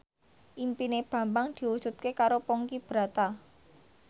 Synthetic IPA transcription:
ʔimpineb̥ä̤mbaŋd̪̥i̤wud̥ʒ̥ṳt̪̚kekaɾopɔŋkib̥ɾa̤t̪a

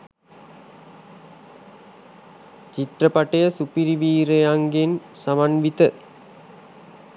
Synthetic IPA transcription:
t͡ʃit̪rəpaʈejəsupiɾiʋiːɾejaŋɡen | samanʋit̪ə

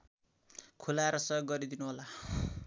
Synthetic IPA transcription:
kʰulaeɾʌsʌjoɡːʌɾid̪inuɦola

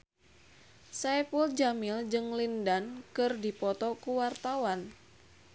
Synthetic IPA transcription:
sajpuld͡ʒamild͡ʒɨŋlindankɨrdipɔt̪ɔkuwart̪awan

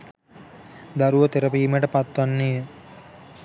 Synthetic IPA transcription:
d̪aɾuʋət̪eɾəpiːməʈəpat̪ʋanːiːə

